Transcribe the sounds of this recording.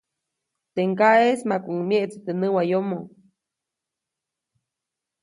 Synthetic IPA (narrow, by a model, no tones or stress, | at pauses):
t̪eŋkaesmakʷuŋmjeʔt͡si̥t̪enɨwajomo